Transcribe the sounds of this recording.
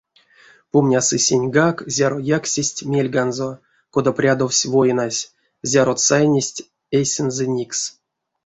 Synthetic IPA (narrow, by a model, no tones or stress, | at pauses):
pumnʲasɨsʲenʲɡakzʲaɾojaksʲesʲtʲmʲelʲɡanzo̞ | ko̞d̪aprʲad̪owsʲvo̞jnasʲ | zʲaɾot̪sajnʲesʲtʲ | esʲɛnzɨnʲiks